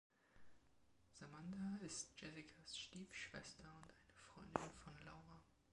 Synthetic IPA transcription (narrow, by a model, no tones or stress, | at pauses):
z̥amandaɪst̚d̥ʒ̥ɛsɪkʰasʃtiːfʃv̥ɛ̰stʰɐʊntʔaɪnəfʁ̥ɔʏndɪnfɔnlaʊʁa